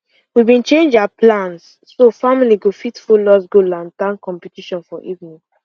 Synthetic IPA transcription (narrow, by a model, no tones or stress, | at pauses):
wibĩnt͡ʃẽnd͡ʒaapʰlãnsː | ofamiliɡofitfulɔsɡolãntãnkɔ̃mpitiʃɔ̃nfɔʔivnĩ